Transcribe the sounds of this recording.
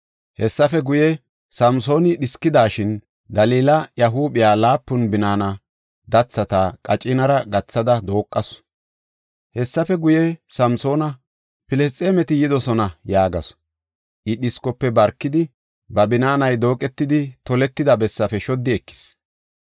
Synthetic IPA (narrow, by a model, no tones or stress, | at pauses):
hɛsːɐfɛɡʊjɛ | sɐmso̞ːnɪɗɪskːɪd̪aːʃɪn | d̪ɐliːlɐjɐɦuːɓɪjaːlaːpːʊnbɪnaːnɐ | d̪ɐt͡sːɐt̪aːkʼɐt͡ʃʼɪnɐɾɐɡɐt͡sːɐd̪ɐd̪o̞ːkʼːɐs | hɛsːɐfɛɡʊjɛsɐmso̞ːnɐ | pɪlɛst͡sʼeːmɛt̪ɪjɪd̪ɔsɔnɐjaːɡɐs | ʔɪɗɪskɔpːɛbɐɾkːɪd̪ɪ | bɐbɪnaːnɐjd̪o̞ːkʼɛt̪ːɪd̪ɪt̪ɔlɛt̪ːɪd̪ɐbɛsːɐfɛʃɔd̪ːɪɛkːɪ̥s